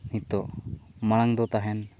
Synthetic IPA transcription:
nit̪ɔmalaŋd̪ɔt̪aɦɛn

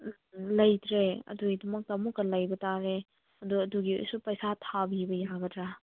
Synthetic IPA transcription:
lɐjtɾeɐ̰duɡidɐmɐk̚tɐmukːɐlɐjbɐtaɾe | ɐduɐduɡio̰jsupɐjsatʰabibɐjaɡɐdɾa

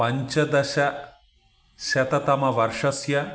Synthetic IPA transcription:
pɐɲt͡ʃɐd̪ɐɕɐ | ɕɐt̪ɐt̪ɐmɐʋɐɾʂɐsjɐ

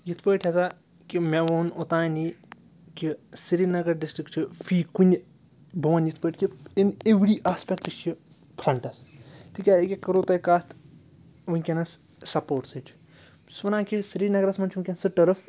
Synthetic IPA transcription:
jit̪ʰpəːʈʰɐza | kimʲeʋoːnot̪aːjni | kisiɾinɐɡɐɾɖisʈɾikt͡ʃʰifiːkunʲ | bɐʋɐnjit̪ʰpəːʈʰʲkʲiineʋɾiːʔaːspʲɛk̚ʈlit͡ʃi | pʰɾɐɳʈɐst̪ʰikʲaːikʲikɐɾoːt̪ɐjkaːt̪ | ʋɨnʲkʲɐnɐs | sɐpoːʈsɨt͡ʃʰ | sʋɐnaːkʲisiɾiːnɐɡɾɐsmɐnt͡ʃʰʋunkʲɐnsɨʈɐɾɐf

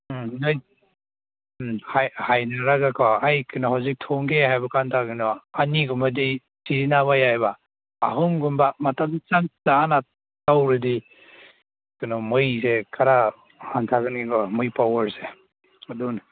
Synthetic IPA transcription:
naj | hajhajnaɾaɡakʰɔajkʰɯnɔɦawzik̚tʰɔŋɡehajbakantʰaɡɯnɔaniɡumbɐdi | siɾinaβajajbaː | ɦɯmɡumbamatamt͡ʃantaːna | tawɾɯdi | kɯnɔmɯjsekʰaɾa | hantʰaɡɯnikʰɔmɯjpawɐɾse | adun

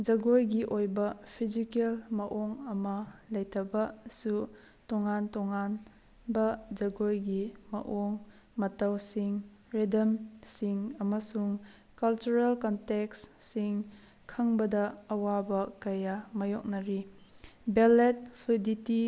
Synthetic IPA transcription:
d͡ʒɐɡojɡiʔojbɐpʰizikelmɐʔoŋɐmɐlɐjtʰɐbɐsu | tɔŋantɔŋan | bɐd͡ʒɐɡojɡimɐ̰ʔoŋ | mɐtɐwsiŋ | ɾedɐmsiŋɐmɐsuŋ | kɐlt͡ʃuɾelkɔnteksːiŋ | kʰɐŋbɐdɐɐwabɐkɐjamɐjɔk̚nɐɾi | belet̚pʰuditi

